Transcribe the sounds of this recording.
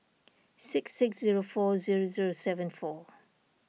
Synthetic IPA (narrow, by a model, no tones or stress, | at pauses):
sɪksɪksziɹofɔziɹoziɹosɛvə̃nfɔ